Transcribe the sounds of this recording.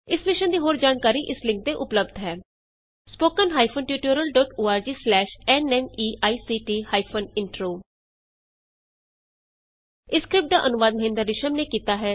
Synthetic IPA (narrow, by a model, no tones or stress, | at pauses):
ɪsmɪʃənd̪iːɦoːɾd͡ʒaːnkaːɾiːʔɪslɪ̃ŋk̚t̪eːʔʊpləbd̪ɦɛː | spoːkənɦaːipʰonʈjuːʈoːɾəlɖɔːʈoːaːɾd͡ʒiːslɛːʃɛːnɛːniːʔaːiːsiːʈiːhaːipʰənɪɳʈɾoː | ɪskɾɪp̚ʈ̚d̪aːʔənʊʋaːd̪̚məɦɪ̃ːnd̪əɾːɪʃəmneːkiːt̪aːɦɛː